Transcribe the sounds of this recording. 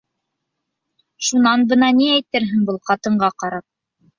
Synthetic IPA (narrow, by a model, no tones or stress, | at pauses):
ʃunɑnbɤ̆nɑniæjt̪ɘɾɦɘŋbɤlˠqɑt̪ɤ̆ɴɢɑqɑɾɑp̚